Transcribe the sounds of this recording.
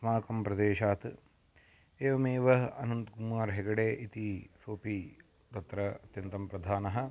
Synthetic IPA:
smaːkɐmpɾɐd̪eːʃaːt̪ | eːʋɐmeːʋɐɦɐnɐnt̪ɡumaːɾɦeɡɐɽeːʔit̪isoːpiː | t̪ɐt̪ɾɐɐt̪jɐnt̪ɐmpɾɐd̪ʱaːnɐɦɐ̆

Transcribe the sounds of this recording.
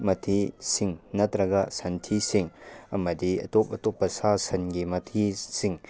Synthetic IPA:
mɐtʰisiŋnɐtɾɐɡɐsɐntʰisiŋɐmɐdiɐ̰top̚ɐtɔpːɐsasɐnɡimɐtʰisiŋ

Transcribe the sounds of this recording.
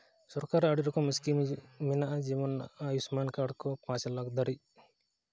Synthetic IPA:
sɔɾkaɾaɽiɾɔkɔmiskiminaʔad͡ʒiβɔnajusmankaɖkɔpãt͡ʃlaɡd̪aɾi

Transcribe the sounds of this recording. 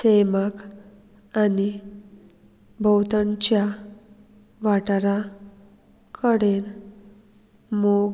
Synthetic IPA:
semak | ani | bʱəwt̪ənt͡ɕja | ʋaʈɾa | kʰəɽen | moɡ

